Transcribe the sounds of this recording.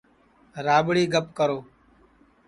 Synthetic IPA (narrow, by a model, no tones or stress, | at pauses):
ɾaːɓɽiːɡəp̚kəɾoː